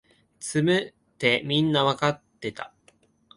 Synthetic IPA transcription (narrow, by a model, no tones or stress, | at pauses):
t͡sɨmɯ̟ | t̪e̞mʲĩnːaβakat̪ːe̞t̪a̰